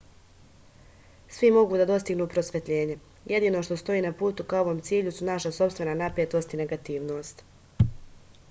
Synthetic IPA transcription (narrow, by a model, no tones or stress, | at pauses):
sʋimo̞ɡuːd̪ad̪o̞st̪iɡnuːpɾo̞sʋʲet̪ʎe̞ːɲe̞ | jʔe̞d̪iːno̞ʃt̪o̞st̪o̞iːnapuːt̪ukaoʋo̞ːmt̪siːʎusunaʃaso̞pst̪ʋe̞nanapɾet̪o̞st̪ine̞ɡat̪iːʋno̞ːst̪